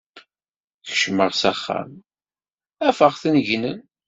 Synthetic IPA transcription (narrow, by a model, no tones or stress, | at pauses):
ç̥ʃməʁsæχːa̰m | æfəʁθənʝnən